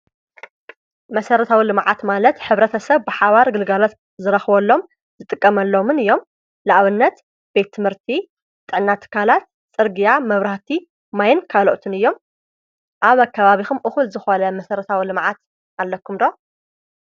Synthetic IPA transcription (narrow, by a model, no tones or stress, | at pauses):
mɐsɐɾɐt̪ʰawilɨmʕat̪malɐt̪ħɨβɾɐt̪ʰɐsɐβbɨħaβaɾɡɨlɡalot̪ | zɨɾɐxβɐlːo̞m | zɨt̪ʼɨkʼːɐmɐlːo̞mɨnɨjːo̞m | laʔβɨnːɐt̪ | b̥e̞t̪ʰːɨmhɨɾt̪ʰi | t̪ʼːɨʕnːat̪ʰːɨ̥kʰːalat̪̚ | t͡sʼɨɾɡijamɐβɾaht̪ʰi | majɪnkʰaloʔt̪ʰɨnɨjːo̞m | ʔaβakʰːɐβaβixumʔɨxulzɨxonɐmɐsɐɾɐt̪ʰawilɨmʕat̪ | alːɐkʰːumd̪o̞